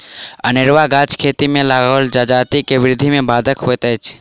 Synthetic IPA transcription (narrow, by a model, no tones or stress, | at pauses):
ənɪɾwaɡaːt͡ʃkʰeːt̪imẽlaːɡold͡ʒaːd͡ʒaːt̪ikeʋɪɾɪd̪ʱimẽbaːd̪ʱəkɦoet̪ɛːt͡ʃʰ